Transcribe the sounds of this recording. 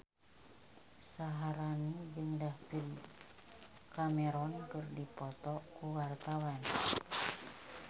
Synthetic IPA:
saɦaɾanid͡ʒɨŋdahpin | kamɛɾɔnkərdipɔt̪ɔkuwart̪awan

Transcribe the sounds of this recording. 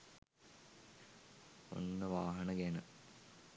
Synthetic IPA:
o̰nːəʋaːɦɐnəɡenə

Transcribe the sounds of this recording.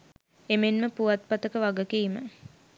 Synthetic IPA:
emenməpuʋat̪̚pat̪əkəʋaɡəkiːmə̰

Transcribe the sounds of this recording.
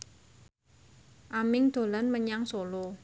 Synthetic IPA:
ʔamɪŋd̪̥o̤lanməɲaŋsolo

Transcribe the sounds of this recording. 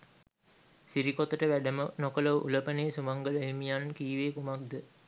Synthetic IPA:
siɾikot̪əʈəʋæɖəmənokələʋʔṵləpəneːsumaŋɡələemijankiːʋeːkumak̚d̪ə

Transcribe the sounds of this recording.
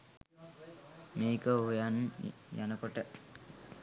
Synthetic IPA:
meːkəojanjanəkoʈə

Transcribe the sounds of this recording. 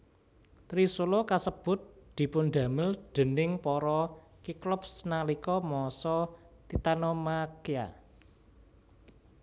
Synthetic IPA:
t̪ɾisulɔkasəb̥ʊ̤t̪̚d̪̥i̤pʊnd̪ä̤mɪld̪̥ə̤nɪŋpɔɾɔ | kiklʊp̚snalikɔmɔsɔ | t̪it̪anɔmakia̰

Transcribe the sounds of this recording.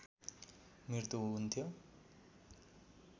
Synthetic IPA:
mirt̪uɦɦunt̪ʰjo

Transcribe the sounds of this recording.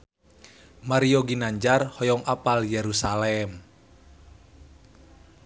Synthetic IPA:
maɾijoɡinaɲd͡ʒarhɔjɔŋʔapaljeɾusalɛm

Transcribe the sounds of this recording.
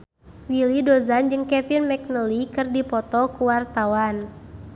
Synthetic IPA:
wilidɔzand͡ʒɨŋkɛfinmɛk̚nəlikɨrdipɔt̪ɔkuwart̪awan

